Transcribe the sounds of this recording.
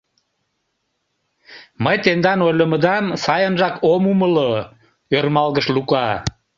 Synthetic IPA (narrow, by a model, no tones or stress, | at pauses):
məjt̪end̪ɑnojləməd̪ɑmsɑjənʒɑkomuməlo | ørmɑlɣəʃlukɑ